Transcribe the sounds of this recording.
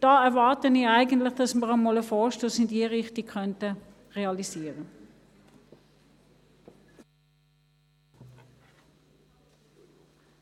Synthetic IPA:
d̥ɑːɛʁʋɑrtəniɛjɡəntləχd̥ɑsməʁəmoːləfɔːʃtosindiərɪχtikʰχœntə | reɑlisiərə

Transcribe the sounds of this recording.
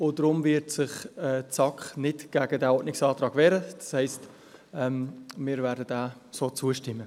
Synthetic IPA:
ʊdɾʊmvɪɾtsɪχɛt͡sɑkχnɪtɡ̥æɡədæːɔtʔnɪksɑːtʁɑːɡ̥vɛːɾəd̥ɑ̥shɛɪst | ɛmmɪːɾvæːɾdədaː | soːt͡suəʃtɪmːə

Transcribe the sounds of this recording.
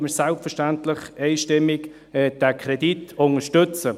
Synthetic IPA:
məsɛlpfəʃtantlɪχɛɪʃtɪmːɪk | ɛd̥ɛkʰɾɛditʊnəʃtʏt͡sə

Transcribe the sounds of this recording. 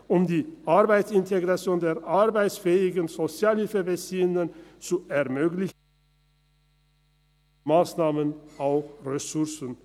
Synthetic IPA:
ʔʊmdiːʔaʁbaɪtsɪntʰeɡʁat͡sjoːndeːɐʔaʁbaɪtsfɛːɪɡənzot͡sjaːlhɪlfəbət͡siːənənt͡suʔɛɐmøːɡlɪç | maːsnaːmənʔaʊxʁesʊʁsn̩

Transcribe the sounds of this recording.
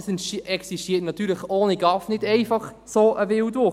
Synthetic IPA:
sɛnʃɛksiʃtiːətnɑtyːɾləχoːniɡɑfnɪdɛɪfɑχ | soːʔəvɪwdvʊ

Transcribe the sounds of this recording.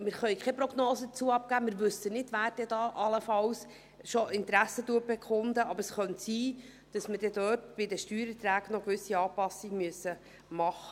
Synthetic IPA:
mɪɾχœʏkχɛpɾɔɡnoːsədət͡suːəɑp̚kæːmɪɾʋʉsənɪdʋæːɾd̥ɛd̥ɑːʔɑləfɑws | ʃoʔɪnt̪ɾæsːətuːət̚b̥ɛkʰʊnd̪əʔɑbəɾəsχœntsiː | d̥ɑsməɾd̥ɛdøːtb̥ɪdəʃtyːɾət̪ɾæːɡnɔkʋʏsiɑːpɑsiɡmyəsːə | mɑχə

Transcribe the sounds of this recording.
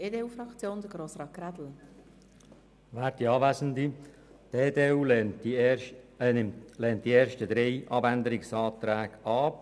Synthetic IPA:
eːdeːuːfɾɑkt͡sjoːnd̪əɡɾoːsɾɑːt̚ɡ̥ɾad̪l̩ | ʋæːɾdiɑːvæsən̩di | d̥̪ed̪eːuː | lɛːnt̚d̥̪ieːɾʃtəd̪ɾeɪʔɑbænd̪əɾɪksɑːt̪ɾæːɡɑː

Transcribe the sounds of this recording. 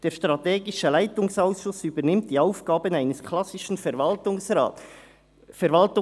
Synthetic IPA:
d̥eːɐʃtʁateːɡɪʃəlaɪtʊŋsaʊsʃʊsyːbənɪmt̚d̥iːaʊfɡ̥aːbənaɪnəskʰlɑsɪʃn̩fɛɾvaltʊŋsʁa̰ːt | fɛɾvɑltʊ

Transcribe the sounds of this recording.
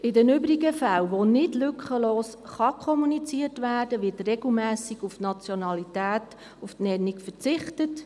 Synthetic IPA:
ʔɪdɛnʏbɾiɡəfælʋonɪdlʏkχəloːsχɑkʰɔmunit͡siətʋæːrd̥əʋɪtrɛɡ̥l̩mæːsiɡufnɑt͡sjɔnɑlitæːt | uftnɛnikfət͡sɪχtət

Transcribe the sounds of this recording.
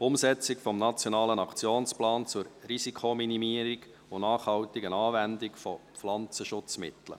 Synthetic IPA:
pʊmsɛt͡sɪkfɔmnɑt͡sjonɑːlənɑkt͡sjoːnsplɑːnt͡sʊɾrisikʰominimiəɾiɡ | ʊnɑːχhɑwtɪɡənɑːvændɪkfɔ | flɑnt͡səʃʊt͡smɪ̰t̪lə̰

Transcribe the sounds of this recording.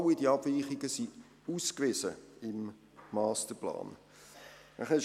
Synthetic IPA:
widiɑb̥viːχiɡəsi | uːskvɪzəɪmː | ɑːstəplɑ̰ːn | aχɛ

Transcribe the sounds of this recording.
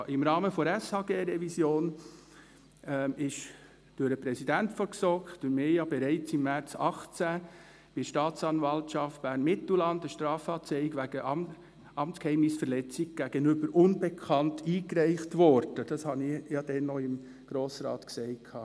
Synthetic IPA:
ʔɪmɾɑːməfɔɾæshɑːɡeːɾɛvisjoːn | ɛɪʃ | d̥ʊɾəpɾɛsidæntfɔɾksɔkdʊɾmejɑbɛɾɛɪt͡sɪmːæɾt͡sɑχt͡sæ | b̥ɪʃtɑːt͡sɑnvɑltʃɑft̚b̥æːɾnmɪtl̩lɑndəʃtɾɑːfɑːt͡sɛɪɡʋæɡ̥əʔ | ɑmt͡skhɛɪmnɪsfəɾlɛt͡sɪɡ̚ɡ̥æɡ̥ənʏbəɾʔʊnbɛkʰɑntʰiːkɾɛɪχtʋɔɾd̥əd̥ɑshɑnɪjɑd̥ɛnːɔɪm | ɡ̥ɾoːsɾɑ̰ːtksɛɪtkʰɑː

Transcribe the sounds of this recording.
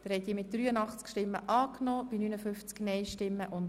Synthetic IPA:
d̥̪əɾhɛt̪iːmɪt̚d̥ɾyːənɑχt͡skʃtɪmːə̰ʔɑːknɔːb̥inynəfʏft͡sknɛjʃtɪmːəʔʊn

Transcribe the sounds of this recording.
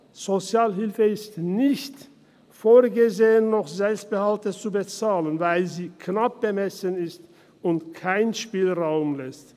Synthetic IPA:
z̥ot͡sjaːlɦɪlfəɪstnɪçt | foːɐɡəzeːənːɔχzɛlpst̚b̥əhaltət͡subət͡saːlənvaɪlziːkʰnap̚b̥əmɛsənɪst | ʊntkʰaɪnʃpiːlʁaʊmlɛst

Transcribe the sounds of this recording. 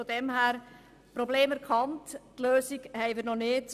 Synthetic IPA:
odɛmɦæːɾ | pɾobleːmɛɾkʰɑnttløːsiɡhɛɪmiːɾnɔnɪːt

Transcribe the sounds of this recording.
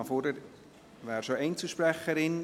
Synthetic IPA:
ɑfɔɾdəɾ | ʋæːɾʃoɛɪnt͡suʃpɾɛχəɾɪn

